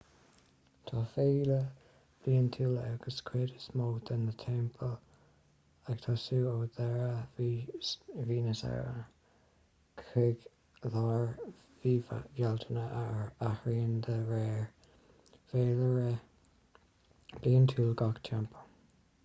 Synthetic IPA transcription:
t̪ʰɑfeːlə | b̥iːənt̪ʰuːlaɡ̥əskʰɹɪdəsmoːt̪ɪnðət̪ʰɛmpʰəl | aɡ̥t̪ʰɔːsuːoːd̪ɛɹə | viːnəsa̰ɹə̰nə | kʰɹɪɡ | lɑɹ | viːva̰jɛlt̪ʰənəʔaahɹiːnd̪əɹɛːɹ | veːləɹɛ | b̥iːnt̪ʰuːlɡɑɡt̪ʰɛmpʰə

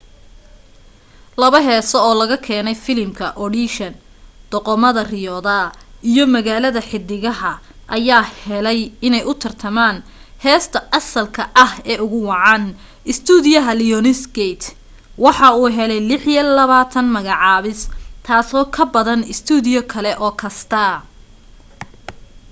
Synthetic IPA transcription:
lɐβɐɦɛːsɔɔːlɐɣɐkʰɛːnɛjfɪlɪmkʰɐʔɔɽiʃɐn | d̪̥ɔqɔmɐðɐrɪjɔːðaijɔmɐɣaːlɐðɐħɪd̪ːɪɣɐɦɐ | ʔɐjaːhɛlɛjɪnɛjʔʊt̪ʰɐrt̪ʰɐmaːn | hɛːst̪ʰɐʔɐsɐlkʰɐʔɐhɛːʔʊɣʊwɑʕɑːn | ʔɪst̪ʰuːðɪjɐɦɐlɪjɔnɪsɡɛt̪ʰ | wɑħɑuːɦɛlɛjlɪħijɐlɐβaːt̪ʰɐnmɐɣɑʕɑːβɪst̪ʰaːsɔːkʰɐbɐðɐnɪst̪ʰuːðɪjɔkʰɐlɛʔɔːkʰɐst̪ʰɐ

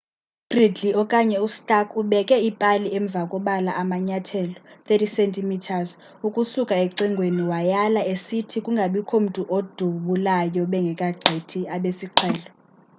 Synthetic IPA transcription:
ɡ̥ridɮiɔkʼaɲɛustʼakʼuɓɛkʼɛipʼaliɛɱb̪vʱakʼɔɓalaʔamaɲatʰɛlɔt̪etʰisentʼimitʰaz | ukʼusukʼaeǀiŋɡʱweniwajalaesitʰikʼuŋɡʱaɓikʰom̩tʼuʔod̥ʱuɓulajɔɓɛŋɡʱɛkʼaɡ͡ǀʱetʰiaɓesiǃʰɛːlɔ

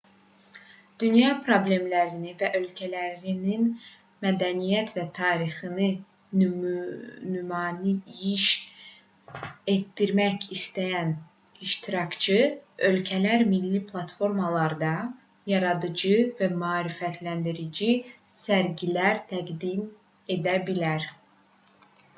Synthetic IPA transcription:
d̪̥ynjɑpʰɾo̞ble̞mlæɾinivæʔø̞lcʰælæɾinin | mæd̪ænijæt̪ʰvæt̪ʰɑːɾiχɯnɯ | nymɑːnijiʃ | e̞t̪ːiɾmæcist̪æjæn | iʃt̪ʰiɾɑkt͡ʃʰɯø̞lcʰælæɾmilːipʰlˠɑt̪fo̞ɾmɑlˠɑɾd̪ɑ | jɑɾɑd̪ɯd͡ʒɯvæmyɑːɾifæt̪ʰlænd̪iɾid͡ʒi | sæɾɟilæɾt̪ʰæɡd̪im | e̞d̪æbilæɾ

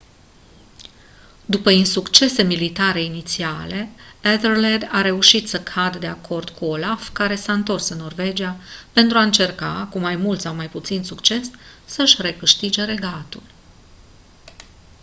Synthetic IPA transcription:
d̪upəinsukt͡ʃe̞se̞milit̪aɾe̞init̪siale̞ed̪ərled̪aɾe̞uʃit̪səkʰad̪d̪e̞akʰo̞rd̪̥kuolafkaɾe̞saɨnt̪o̞rsɨnːo̞rve̞d͡ʒiape̞nt̪ɾuaɨnt͡ʃe̞rka̰kumajmult̪sawmajput̪sinsukt͡ʃe̞ssəʃʲre̞kɨʃt̪id͡ʒe̞ɾe̞ɡat̪ul

